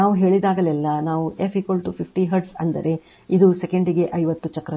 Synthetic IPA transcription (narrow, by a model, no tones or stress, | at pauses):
aːʋuɦe̞ːɭid̪aːɡɐlɛlːɐnaːʋuepʰiːkʋɐlʈupʰipʰʈiɦɐɾɖsɐnd̪ɐ̰ɾʔe̞ | id̪usekeɳɖiɡe̞ʔɐjʋɐt̪ːut͡ʃɐkːɾɐ